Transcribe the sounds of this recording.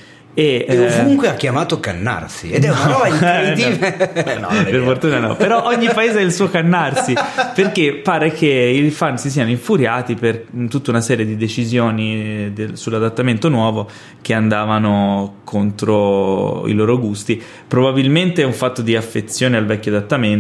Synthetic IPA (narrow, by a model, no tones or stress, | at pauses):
evuŋkweakːjamaːt̪okanːa̰rsḭed̪ɛunapɔvaiinven̰perfort̪uːnanɔ̰peɾɔʔoɲːipaeːzaɛilsuːokanːarsiperkepːaːɾek̟eilfansisiːanoiɱfuɾjaːt̪ipert̪ut̪ːaunasɛːɾjed̪id̪et͡ʃizjoːnid̪esulːad̪at̪ːament̪onwɔːvo | k̟eand̪aːvanokʰont̪ɾoḭloːɾoɡust̪i | pɾobabilment̪eɛuɱfat̪ːod̪iafːet̪sːjoːnealvɛkʲːoad̪at̪ːamen